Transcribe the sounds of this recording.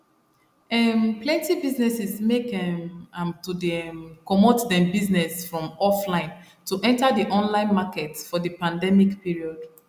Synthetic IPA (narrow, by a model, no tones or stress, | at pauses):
ɛmplɛ̃ntibiznɛsɛsmekɛamtudkɔmotdɛ̃mbiznɛsfɹɔ̃mɔflãɪ̃n | tuʔɛ̃ntadiʔɔ̃nlãɪ̃nmakɛtfɔðəpãndɛmikpiɹiɔd̥